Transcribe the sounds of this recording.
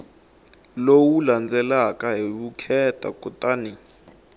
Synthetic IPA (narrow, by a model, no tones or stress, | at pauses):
lowuland͡zɛlakʼaɦilukʰɛtʼa̰kʼɔtʼani